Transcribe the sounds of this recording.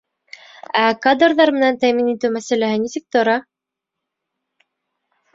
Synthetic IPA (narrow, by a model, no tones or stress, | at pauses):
ækad̪rðɑɾmɘ̆nænt̪æminit̪ɘwmæsælæhɘnisɘk̚t̪ŏɾɑ